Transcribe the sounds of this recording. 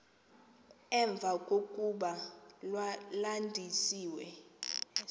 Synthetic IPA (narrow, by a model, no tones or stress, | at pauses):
ɛɱb̪vʱakʼokʼuɓalwalandʱisiːwɛ